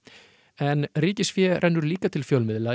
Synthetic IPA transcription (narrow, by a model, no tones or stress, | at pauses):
ɛnriːcɪsfjɛɾʔɛjnːʏɾliːkat̪ʰɪlfjowlmɪðla